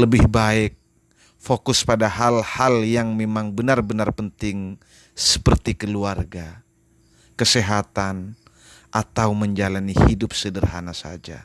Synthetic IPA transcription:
ləbɪhbaɪk̚ | fokʊspadaɦalhaljaŋmemaŋbənarbənarpənt̪ɪŋ | sə̥pərt̪ikəluarɡa | kəseɦat̪an | ʔat̪awməɲd͡ʒalanihidʊp̚sədərɦanasa̰d͡ʒa̰

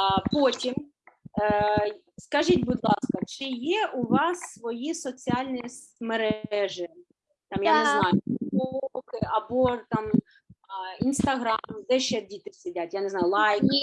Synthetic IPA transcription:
potʲim | skɐʒitʲbʊd̪lˠɑskɐt͡ʃɪjɛʔʊʋɑsːʋɔjisɔt͡sʲiɑlʲnʲis | meɾɛʒɪ | t̪ɑmjanɪznɑjʊbuukɪɐbɔt̪ɑm | inst̪ɐɦɾɑmd̪ɛʃt͡ʃɛdʲit̪ɪsʲɪdʲatʲjaneznɑjʊlˠɑjkʲi

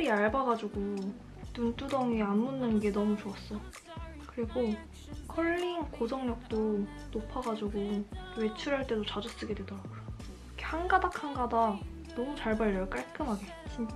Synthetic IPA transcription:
ɾiaɭbaɡad͡ʑuɡo | nunt͈udʌŋianmunːɯnɡe̞nʌmut͡ɕoʌs͈ʌjo | kɯɾiɡo | kʰʌɭːinkod͡ʑʌŋɲʌk̚t͈o | nopʰaɡad͡ʑuɡowe̞t͡ɕʰuɾɦaɭt͈e̞dot͡ɕad͡ʑus͈ɯɡe̞dwe̞dʌɾaɡojo | kʰehanɡadakʰanɡada | nʌmut͡ɕaɭbaɭjʌɭk͈aɭk͈ɯmɦaɡe̞t͡ɕ͈i

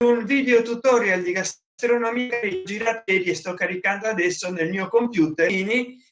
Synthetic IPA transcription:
unviːd̪eot̪ut̪ɔɾjald̪ikas | t̪ɾonamikaɾid͡ʒiɾat̪ɛɾiest̪ɔkːaɾikand̪oad̪ɛsːonelmiːokompjuːt̪eni

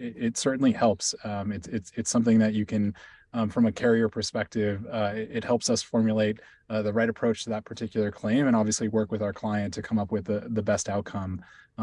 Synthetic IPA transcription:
ɪtsɜ˞ʔn̩lihɛlˠpsɪtɪtsɨtsʌ̃mθɪ̃ŋðɨt͡ʃɨkʰɨ̃nfɹʌ̃mɨkʰɛɹiə˞pʰə˞spɛk̚tɪvɪt̚hɛlˠpsʌsfɔɹmjleɪt̚ | ðɨɹaɪɾɨpʰɹ̥oʊt͡ʃtʰɨðət̚pʰə˞tʰɪkjl̩ˠə˞kʰl̥ẽɪ̃mɨ̃ɾ̃ɑbviɨsliwɜ˞kwɨðaʊə˞kʰl̥aɪɨ̃ntʰɨkʰʌ̃mʌpwɨðɨðɨbɛstaʊt̚kʰʌ̃m

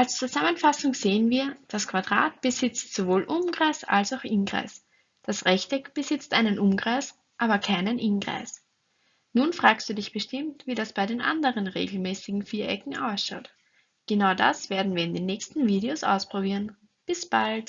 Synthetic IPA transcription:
ʔalst͡suzamənfasʊŋz̥eːənviːɐd̥askʰv̥adʁa̰ːt̚b̥əzɪt͡stz̥ovoːlʔʊmɡ̥ʁaɪsa̰lsaʊxʔɪnɡʁa̰ɪs | d̥asʁɛçtɛb̥əzɪt͡stʔaɪnənʔʊmɡʁaɪs | ʔaːbɐkʰaɪnənʔɪnɡʁa̰ɪs | nuːnfʁ̥aːkstd̥uːdɪçb̥əʃtɪmtviːdasb̥aɪdeːnʔa̰ndəʁənʁḛːɡl̩mɛːsɪɡŋ̩fiːɐʔɛkŋ̩ʔaʊsʃɑʊt | ɡ̥ənaʊda̰sv̥eːɐdn̩viːɪndeːnːɛːçstn̩viːɾeosʔa̰ʊspʁ̥obiːɐən | b̥ɪsb̥alt

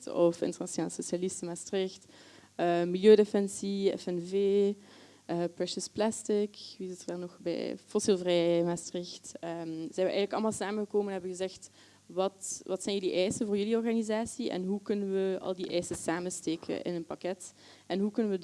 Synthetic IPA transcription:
tɔfɪ̰ntəʁnasjonaːləsosjalɪstəmastrɪxt | əmiljøːdefɛnsiɛ̰fɛnveː | ʔəpɹɛʃəsplastɪkʋiɪzɪtərdaːrnɔxbɛ̰jfɔsilˠvrɛjmastərɪxtəmz̥ɛɛbəʔɛːɣnləkɑlˠmaːlˠsaːmənɣəkoːmənɛnɦɛbəɣəzɛxt | ʋɑtʋɑtsɛjnjəliʔɛjsəvoːrjyliɔrɣanizaːsiʔɛ̰nɦukɵnənʋəɑ̰lˠdiʔɛjsəsaːməsteːkʰə̰ʔɪ̰nənpɑkɛt | ɛnɦukɵnənʋəd

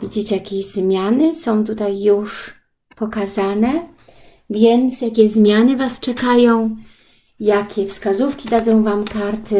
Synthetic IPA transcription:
vʲid͡ʑit͡ɕɛjakʲeʑzmʲjanɘsɔ̃w̃t̪ut̪ajːuʂ | pɔkazanɛ | vʲjɛnt̪sjakʲɛzmʲjanɘvast͡ʂɛkajɔ̃w̃ | jakʲɛfskazufkʲid̪ad̪zɔ̃w̃vamkaɾt̪ɘ

